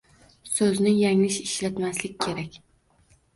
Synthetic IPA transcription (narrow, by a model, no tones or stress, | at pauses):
sɵznɪjaŋlɪʃɪʃlat̪maslɪkʲkʲʰe̞ɾakʲ